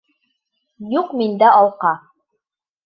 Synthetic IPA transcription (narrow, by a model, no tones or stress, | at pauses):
juqmind̪æɑlˠqɑ